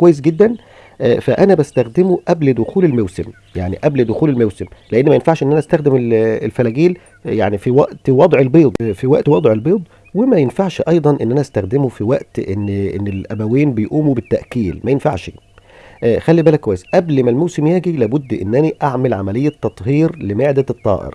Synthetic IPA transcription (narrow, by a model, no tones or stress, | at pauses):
kowæjːes̬ɡed̪ːæn | ʔfæʔænæbæst̪æxd̪emuʔæbld̪oxuːlelmæwsem | jaʕnḭʔæbld̪oxuːlelmæwsemleʔenːmæjenfaʕʃʔenːʔænæʔæst̪æxd̪emelelfælæːɡiːl | jaʕnifiwæʔt̪wɑd̪ˤʕelbeːd̪ˤfiwæʔt̪wɑd̪ˤʕelbeːd̪ˤ | wemæjenfaʕʃʔɑjd̪ˤɑnʔenːʔænæʔæst̪æxd̪emofiwæʔt̪ʔḛnːʔḛnːelʔæbæwiːnbejʔuːmobet̪ːæʔkiːlmæjenfaʕʃ | ʔxælːibæːlækːwæjːesʔæblmælmowsemjæːɡilæːbʊd̪ːʔḛnːʔæniʔaʕmælʕamælejːæt̪ːɑt̪ˤhiːɾlemeʕd̪æt̪ˤːɑ̰ːʔḛɾ